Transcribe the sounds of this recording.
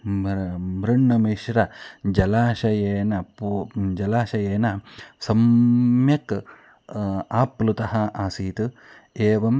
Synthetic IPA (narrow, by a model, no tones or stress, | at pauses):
mɾiɳːɐmeːʃɾɐd͡ʒɐlaːʃɐjeːnɐpud͡ʒɐlaːʃɐjeːnɐsɐmjɐk | aːpːlut̪ɐɦɐʔaːsiːt̪ɨ | eːʋɐm